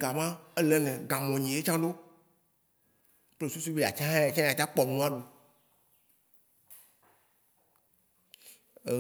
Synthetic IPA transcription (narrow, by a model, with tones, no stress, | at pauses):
ɡa˨mã˦e˦lɛ˨nɛ̃˨ɡã˨mɔ̃˨ɲĩ˨e˦t͡ʃã˦ɖo˦ | k͡ple˦su˦s̬u˦be˦˨a̰˨t͡ʃã˦ã˦a˨t͡ʃã˦a˨t͡ʃa˦k͡pɔ˨mũ˦a˦ɖo˨